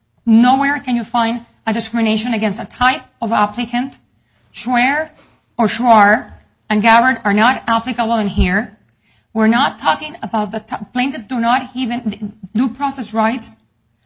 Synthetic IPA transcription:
nowɛɹkɨ̃njɨfãɪ̃nd | ɨdɨskɹɪmɨneɪʃɔ̃nɨɡɛ̃nstətʰajp̚ | ɔvæplɨkʰɨ̃nt | ʃwɛɹ | ɔɹʃwaɹ | ɨ̃nɡævə˞də˞naɾæplɨkəbl̩ˠɨ̃nɦiɹ | wɪɹnɔtʰːɔkɪ̃ŋəbaʊt̪̚ðətpl̥ẽntɨtsdunɔthivɨ̃ndupʰɹɔsɛsɹajts

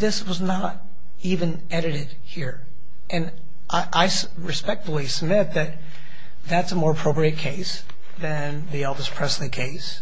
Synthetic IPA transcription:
ðɪswʌznəɾ | ivɨ̃n | ɛɾɨɾɪd̥̚hiɹ | ʔɨ̃n | ʔaɪʔaɪs | ɹɨspɛk̚tfl̩ˠisəb̚mɪt̪̚ðɨt̪̚ | ðætsəmɔɹəpʰɹ̥oʊpɹiɨt̚kʰeɪs | ðɨ̃nðiɛlˠdəspʰɹ̥ɛslikʰeɪs

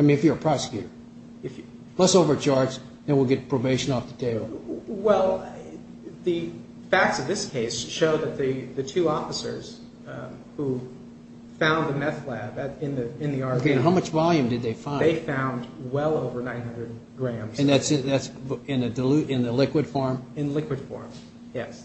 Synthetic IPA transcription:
aɪmĩnɨfjə˞əpʰɹ̥ɑsɨ̥kʰjʉɾə˞ | ɨf | lɛsoʊvə˞t͡ʃʰɑɹdz | ðɨ̃nwilˠɡɛt̚pʰɹ̥oʊbeɪʃɨ̃nɔfðɨtʰeɪbl̩ˠwɛlˠ | ðɨ | fæk̚tsʌvðɪskʰeɪsʃoʊðɨt̪̚ðɨðɨtʰʉɔfəsə̰˞z̥ | hu | fãʊ̃nðɨmɛθlæbɨɨ̃nðɨɨ̃nðiɑɹɦaʊmʌt͡ʃvɑlˠjɨ̃mdɨd̪̚ðeɪfãɪ̃eɪfãʊ̃ndwɛlˠoʊvə˞nãɪ̃nɦʌ̃ndɹɨd̚ | ɡɹæ̃mz̥ɨ̃nðætsɨ̃ðætsɪ̃nɨdɨlʉɪ̃nðɨlɪkwɨd̥fɔɹmɨ̃nlɪkwɨd̥fɔ̰ɹm | jɛs

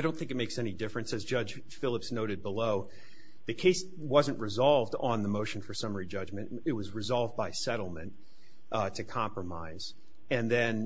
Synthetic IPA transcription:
aɪɾõʊ̃nθɪ̃ŋkɨt̚meɪksɛñidɪfɹɨ̃nsɨzd͡ʒʌ̥ʒ̥ | fɪlˠəpsnoʊɾɨd̚bəloʊ | ðɨkʰeɪs | wʌzɨ̃nʔɹɨzɑlˠvdn̩ðəmoʊʃɨ̃n̩fə˞sʌmə˞id͡ʒʌd͡ʒmɨ̃ntɨt̚wʌzɹɨzɑlˠvbaɪsɛɾl̩ˠmɨ̃nt | tʰɨkʰɑ̃mpɹəma̰ɪz̥ | ɨ̃nðɨ̃n

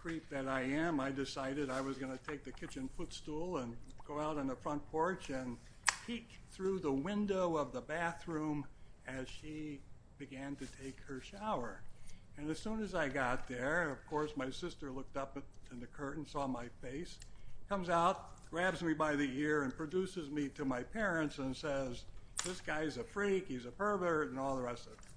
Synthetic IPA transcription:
kʰɹ̥ip̚ðɨɾaɪɨ̃maɪdɨsaɪɾɨɾaɪwʌzɡʌnɨtʰeɪk̚ðɨkʰɪt͡ʃɨ̃nfʊtstulˠə̃nɡ̥oʊaʊɾn̩ðəfɹʌ̃npʰɔɹt͡ʃɨ̃n | pʰik̚θɹuðəwɪ̃ndoʊʌvðəbæθɹũmɨz̥ʃi | b̥ɨɡæ̃ntɨtʰeɪkhə˞ʃaʊə˞ɨ̃nɨz̥sũnɨzaɪɡɑt̪̚ðə˞ʌv̥kʰɔɹsmaɪsɪstə˞lʊk̚tʌpɨ̃nðɨkʰɜ˞ʔn̩sɔmaɪfeɪskʰʌ̃mzaʊt̚ɡ̥ɹæbzmibaɪðiɪɹɨ̃npʰɹ̥ɨdʉsɨzmiɾɨmaɪpʰɛɹɨ̃ntsɨ̃nsɛzðɪsɡ̥aɪɨzɨfɹikhizɨpɜ˞və˞ɨ̃nɔlˠðəɹɛstʌv

